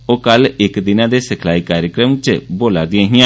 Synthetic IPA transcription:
oːkəlɪkd̪ɪnãːd̪eːsɪkʰlaːiːkaːɾjəkɾəmt͡ʃboːlaːd̪ɪãːɦɪãː

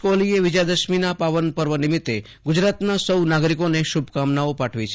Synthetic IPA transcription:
kolieʋɪd͡ʒad̪əʃminapaʋənpəɾʋənɪmɪt̪ːe | ɡʊd͡ʒɾat̪nasəwnaɡɾikoneʃubʱkamnaopaʈʰʋit͡ʃʰe

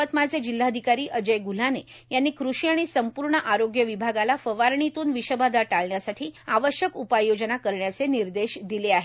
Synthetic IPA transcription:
ət̪mat͡sed͡ʑilːaəd̪ʱikaɾiːʔəd͡ʑəjɡul̤ane | janːiːkɾuɕiaɽ̃isəmpuɾɳəʔaɾoɡjəʋibʱaɡalafəʋaɾɳit̪uːnʋiɕəbad̪aʈaɭɳjasaʈʰiːaʋəɕjəkupajod͡ʑnakəɾɳjat͡seniɾd̪eɕd̪ileaɦe

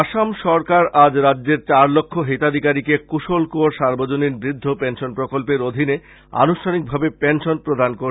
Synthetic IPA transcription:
aʃamʃɔɾkaɾad͡ʑɾadːeɾt͡ɕaɾlokʰːoɦet̪ad̪ʱikaɾikekuʃolkooɾʃaɾbod͡ʑoniɾbɾid̪ʱːopenʃonpɾokolpeɾod̪ʱine | a̰nuʃtʰanik̚bʱabepenʃonpɾod̪ʱankoɾ

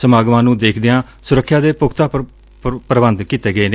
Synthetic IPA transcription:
səmaːɡʋãːnũːd̪eːkʰd̪ɪjãː | sʊɾəkʰːjaːd̪eːpʊkʰt̪aː | pəɾəbənd̪kiːt̪eːɡəeːne

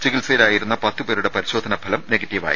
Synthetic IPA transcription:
t͡ɕiɣilseːlaːjiɾunːɐpɐt̪ːɨpe̞ːɾuɽe̞pɐɾiɕo̞ːd̪ʱɐnɐbʱɐlɐmne̞ɡɐtːiʋa̰ːjḭ

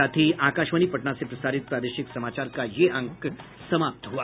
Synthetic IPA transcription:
at̪ʰiːʔakaɕʋəñiːpəʈɳasepɾəsaɾit̪̚pɾad̪eɕiksəmat͡ɕaɾkajeʔəŋk | səmap̚t̪əɦoa

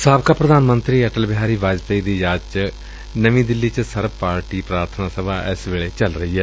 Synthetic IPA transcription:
saːbkaːpɾəd̪aːnmə̃nt̪ɾiːɛːʈəlbɪɦaːɾiːʋaːd͡ʒt̪əid̪iːjaːt͡ʃ | nəʋĩːd̪ɪlːiːt͡ʃsəɾbpaːɾʈiːpɾaːɾt̪ʰənaːsəbaːʔɪsʋeːɭeːt͡ʃəlɾəɦiːɦɛː

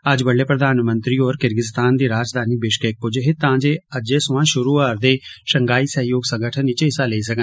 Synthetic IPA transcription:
əd͡ʒbəɽːeːpɾəd̪aːnmə̃nt̪ɾiːoːɾkɪɾɡɪst̪aːnd̪iːɾaːd͡ʒd̪ʱaːniːbɪʃkeːk̚pʊd͡ʒeɦet̪ãːd͡ʒeːəd͡ʒeːsʊʋãːʃʊɾuːaːɾd̪eːʃəŋɡaːiːsəɦjoːɡsə̃ŋɡəʈʰənɪt͡ʃɪsaːleisəkə

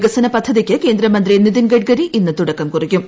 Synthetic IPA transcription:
ɡɐsɐnɐpɐd̪ʱːɐðikʲːɨke̞ːnd̪ɾɐmɐnd̪riniðinɡɐʈ̚ɡɐɾiʔinːɨt̪uɽɐkːɐmkurikʲːum

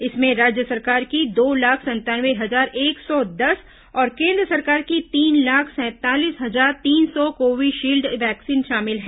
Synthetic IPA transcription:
ɪsmẽɾaːd͡ʒjəsɐɾkaːɾkid̪oːlaːkʰsɐ̃nt̪aːnʋeɦɐzaːɾeːksɔd̪ɐs | ɔːɾkẽːnd̪ɾəsɐɾkaːɾkit̪iːnlaːkʰsɛ̃ːt̪aːliːsɦɐzaːɾt̪iːnsɔkoːʋɪiʃiːlɖʋɛːksiːnʃaːmɪlɦɛː

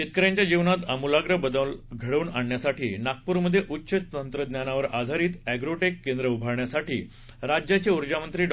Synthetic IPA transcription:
ɕet̪̚kəɾjãɲt͡ɕjad͡ʑiʋnat̪əmulaɡɾəɦbəd̪əlɡʱəɽəuːnaɳːjasaʈiːnak̚puːɾməd̪ʱːjeʔutːɕət̪ənt̪ɾəd̪njanaʋəɾa̰d̪ʱaɾiːt̪æɡɾoʈekːend̪ɾəubʱaɾɳjasaʈiː | ɾad͡ʑjat͡ɕeuɾd͡ʑamənt̪ɾiːɖ

